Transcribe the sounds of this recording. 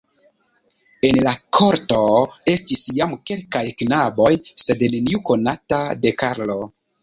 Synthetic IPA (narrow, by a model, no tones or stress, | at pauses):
e̞nlakʰo̞ɾto̞e̞stisjamke̞lkajknabo̞jse̞dne̞niuko̞natade̞kaɾlo̞